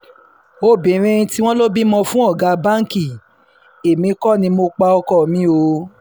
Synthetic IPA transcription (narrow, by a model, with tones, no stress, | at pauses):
o˦˨bĩ˨˦ɾ̃ĩ˦ɾĩ˧ti˦w̃ɔ̃˦lo˦bi˦mɔ̃˧fũ˦ɔ˦˨ɡa˨˧ba˦ŋ˦ki˦˨ | e˨mĩ˧˦kɔ˦˨nĩ˧mo˧k͡pa˧ɔ˧kɔ˦˨mĩ˦o˧˦